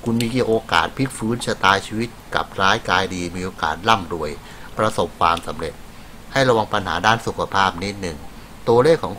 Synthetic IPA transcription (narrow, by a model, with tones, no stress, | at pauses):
kʰu˧nmiː˧ki˧ʔoː˧ka̰ː˨˩t̪̚pʰi˦˥k̚fɯː˦˥nsʰa˧t̪aː˧jt͡ɕʰiː˧wi˦˥t̪̚ka̰˨˩p̚ɾaː˦˥jkaː˧jdiː˧miː˧ʔoː˧ka̰ː˨˩t̪̚la˥˩mdu˧˩əj | pɾa˧so˨˩p̚kʰwaː˧msa˩˦mɾe˨˩t̪̚ | ha˥˩jɾa˧wa˧ŋpa˧nɦa̰ː˩˦daː˥˩nsu˨˩kʰa˧pʰaː˥˩p̚ni˦˥t̪̚nɯ˨˩ŋ | t̪u˧ɐleː˥˩kʰːɔː˩˦ŋ